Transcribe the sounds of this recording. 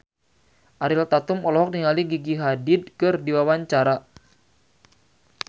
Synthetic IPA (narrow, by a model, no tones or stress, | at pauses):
ʔaɾɪlt̪at̪ʊmɔlɔɦɔk̚niŋaliɡiɡiɦadɪd̚kɨrdiwawaɲt͡ʃaɾa